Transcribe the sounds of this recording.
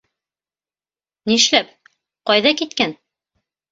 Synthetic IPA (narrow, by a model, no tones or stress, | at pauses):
niʃlæp | qɒjðɑkit̪kæn